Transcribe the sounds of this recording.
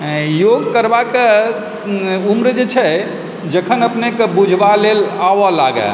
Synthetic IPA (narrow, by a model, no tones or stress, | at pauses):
joɡ̚kəɾbake | umɾd͡ʒet͡ʃʰɛ | d͡ʒəkʰənəpnekebud͡ʒʱbalelaʋɔlaɡə̰